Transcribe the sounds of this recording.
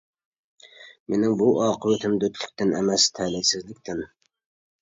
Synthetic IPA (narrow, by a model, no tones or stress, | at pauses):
menɪŋbuʔɑːqʰɨwet̪ʰɪmd̪ɵt̪ʰlɪk̚ʲt̪ɪnemæst̪ʰæːlɪlsɪzlɪkʲt̪ɪn